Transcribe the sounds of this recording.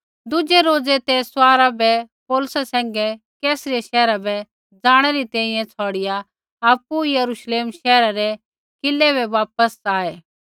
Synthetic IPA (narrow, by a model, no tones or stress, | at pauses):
d̪ʊd͡ʒeɾoːd͡zet̪ɛsʊaːɾabɛpɔːlʊsasɛ̃ːŋ̆ɡɛ | kɛːsɾieʃɛːɾabɛ | d͡zaːɽ̃ɛɾit̪ɛ̃ːĩjɛ̃t͡sʰɔːɽɪja | aːpːujɐɾuʃleːmʃɛːɾaɾɛ | kɪlːɛbɛʋaːp̚əsaːeː